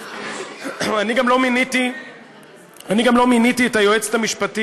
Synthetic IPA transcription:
aniɡamlo̞miniti | aniɡamlo̞minitietajoet͡se̥tamiʃpati

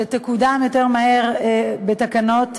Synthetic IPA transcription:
etekudamjoteʁmaheʁbetakanot

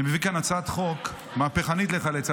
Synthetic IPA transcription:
imevikanat͡sat̪χok | maːpeχanit̪leχalet͡sa

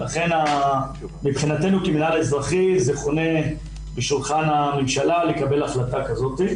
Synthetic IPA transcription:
laχe̞na | mipχinat̪e̞nukiminalezʁaχizeχo̞ne̞ | biʃulχanamemʃalalekabe̞laχlat̪akazo̞t̪i

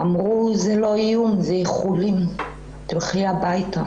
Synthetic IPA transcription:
amʁuzelo̞ijumzeχulim | t̪ilχiabajta

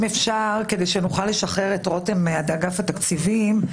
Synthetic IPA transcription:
mefʃaʁke̞de̞jʃenuχale̞ʃaχeʁetʁo̞temad̪aɡafat̪akt͡sivim

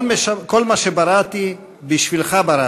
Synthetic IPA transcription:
meakolmaʃebaɾat̪i | biʃvilχabaɾa

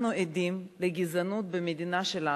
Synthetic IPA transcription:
nued̪imleɡizanut̪̚bemed̪inaʃela

